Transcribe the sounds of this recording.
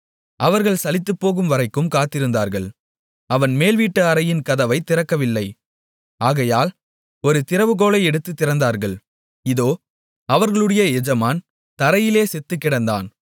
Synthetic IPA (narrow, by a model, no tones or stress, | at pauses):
ʔɐʋɐɾɣɐɭsɐlɪt̪ːɯpːoːɣɯmʋɐɾɐɪkːɯmkaːt̪ːɪɾɯnd̪aːɾɣɐɭ | ɐʋɐnmeːlʋiːʈːɯɐɾɐjɪnkɐðɐʋɐɪt̪ːɪɾɐkːɐʋɪlːɐɪ | aːɣɐjaːl | ɔɾɯt̪ɪɾɐʋɯɣoːlɐɪɛɽɯt̪ːɯt̪ːɪɾɐnd̪aːɾɣɐɭ | ɪðoː | ɐʋɐɾɣɐɭɯɽɐjɐɛd͡ʒɐmaːn | t̪ɐɾɐjɪleːsɛt̪ːɯkːɪɽɐnd̪a̰ːn